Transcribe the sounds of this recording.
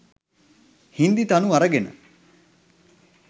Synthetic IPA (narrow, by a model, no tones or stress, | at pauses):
hind̪it̪ɐnuɐɾɐɡenɐ̰